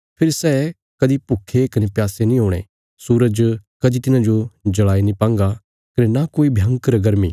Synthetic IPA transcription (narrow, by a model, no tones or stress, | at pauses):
pʰɪɾsɛː | kɐd̪ipʊkʰːekɐnepjaːsenĩɦoːɽ̃ḛ | suːɾəd͡ʒkɐd̪it̪ɪnãd͡ʒod͡ʒɐɭaːinĩpãːŋɡa | kɐnenakoːibʱjɐ̃ŋkɾɐɡɐɾmḭ